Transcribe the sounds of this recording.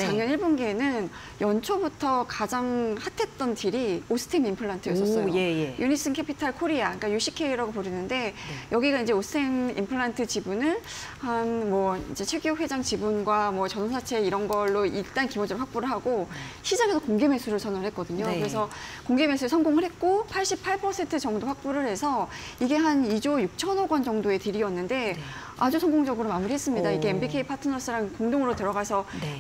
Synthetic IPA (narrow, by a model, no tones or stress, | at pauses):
sʰaŋɲʌniɭbonɡienɯn | jʌnt͡ɕʰobutʰʌkad͡ʑaŋhatʰe̞t̚t͈ʌntiɾiosʰɯ̥tʰemimpʰɯɭːantʰɯjʌssʌs͈ʌjoejjunis͈ɯnkʰepʰitʰaɭkʰoɾiak͈ajuɕʰikʰe̞jiɾaɡopoɾinɯnde̞jʌɡiɡaind͡ʑe̞osʰɯ̥tʰemḭmpʰɯɭantʰɯt͡ɕibunɯnhanmwʌind͡ʑe̞t͡ɕʰwe̞ɡjoɸwe̞d͡ʑaŋt͡ɕibunɡwamwʌt͡ɕʌnonsʰat͡ɕʰe̞iɾʌnɡʌɭːoiɭt͈ankibond͡ʑʌɾɯɭɸwak̚p͈oɾɯɭɦaɡoɕʰid͡ʑaɡedokoŋɡeme̞sʰuɾɯɭsʰʌnɯɭɦet̚k͈ʌdɯɲokkɯɾe̞s̬ʰʌkoŋɡe̞me̞sʰuɾɯɭsʰʌnɡoŋɯɭɦe̞t̚k͈opʰaɭɕ͈ipʰaɭpʰʌsʰe̞ntʰɯt͡ɕʌŋdoɸwak̚p͈oɾɯɭhe̞sʰʌ | iɡe̞ɦanid͡ʑojuk̚t͡ɕʰʌnʌɡwʌnd͡ʑʌŋdoe̞tɯɾiʌnːɯnde̞ | a̰d͡ʑusʰʌnɡoŋd͡ʑʌɡɯɾomamuɾihe̞s͈ɯmɲidaiɡe̞embikʰeipʰatʰɯnʌs͈ɯɾankoŋdoŋɯɾotɯɾʌɡasʰʌ